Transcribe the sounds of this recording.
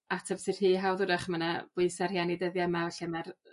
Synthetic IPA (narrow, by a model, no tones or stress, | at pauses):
atʰəvsɨr̥hiːɦawðʊɾaχmənab̥ʊɨsarhjanidəðjamaɛɬɛmar